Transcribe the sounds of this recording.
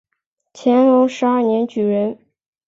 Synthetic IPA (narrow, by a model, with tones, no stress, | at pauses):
t͡ɕʰjɛ˧˥nlo˧˥ŋʂɻ̩˧˥ɐ˞˥˩njɛ˧˥nt͡ɕy˨˩ɻə˧˥n